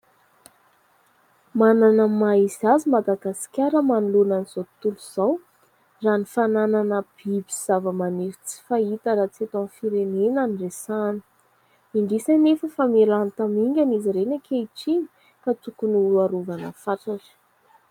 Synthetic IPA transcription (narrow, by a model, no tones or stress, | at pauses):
mananəmaizazimad̪aɡasi̥kʲaɾəmanulunaniz̥ot̪uluz̥aw | ranifanananəb̥ibiz̥avəmaneɾi̥t͡si̥fait̪əɾat͡siet̪anfiɾenenaniresani̥ | iɳɖ͡ʐisanefəfamelanit̪amiŋɡʲaniziɾenakʰeiʈ͡ʂiɲi̥ | kat͡sukunuluaɾuvanə̰faʈ͡ʂaʈ͡ʂə̥